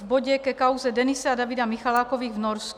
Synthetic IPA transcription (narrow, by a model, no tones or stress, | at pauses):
vboɟɛkɛkawzɛdɛnɪsɛadavɪdamɪxalaːkoviːɣvnoɾsk